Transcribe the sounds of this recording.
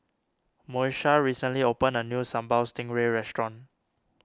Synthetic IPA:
moʃaɹisə̃nliopə̃nənjusãmbaʊstɪ̃ŋɹeɹɛstɹɔ̃n

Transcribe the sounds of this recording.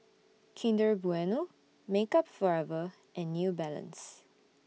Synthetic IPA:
kʰĩndəbuɛno | mekapfɔɹɛvə | ʔɛ̃nːjubɛlə̰̃ns

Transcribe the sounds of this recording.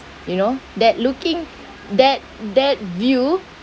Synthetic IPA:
junodɛt̚lukĩŋ | dɛt̚dɛt̚vju

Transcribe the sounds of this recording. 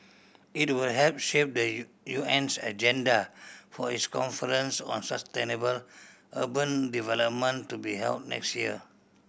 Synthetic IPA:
it̚wudhɛlp̚ʃep̚də | juɛ̃nsa̰d͡ʒɛ̃ndafɔitskɔ̃nfəɹə̃nsɔ̰̃nsəstenəbəlʔəbə̃ndivɛləp̚mə̃ntubiɦɛ̰ld̚nɛ̰kstjiə̰

